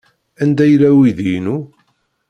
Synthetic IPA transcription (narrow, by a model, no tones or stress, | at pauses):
ænd̪æjlːæwiðijnu